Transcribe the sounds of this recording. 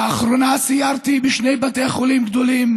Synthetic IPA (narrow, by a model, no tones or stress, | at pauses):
aːχɾonasijaɾt̪ibiʃnejbat̪ejχolimɡd̪olim